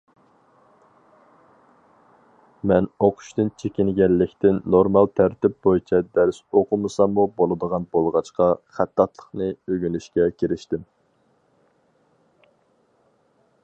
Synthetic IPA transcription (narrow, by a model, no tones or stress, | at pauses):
mɛnoqʰʊ̥ʃt̪ɨnt͡ʃʰekʲɪnɡʲɛlːɪkʲt̪ɪnːoɾmɑlˠt̪ʰæɾt̪ɪp̚bojt͡ʃʰɛd̪æɾsoqʰʊmɨsɑmːubolˠɨd̪əʁɑnbolˠʁɑt͡ʃqɑχæt̪ːɑt̪lˠə̥χnɨøɡʲylyʃkʲɛkʲʰeɾɪʃt̪ɪm